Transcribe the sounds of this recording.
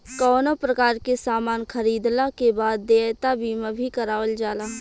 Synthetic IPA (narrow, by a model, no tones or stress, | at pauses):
kɔːnopɾəkaːɾkesaːmaːnxʰəɾiːd̪lakebaːd̪ːeːt̪abʱiːmãbʱikəɾaːʋəld͡ʒaːlaː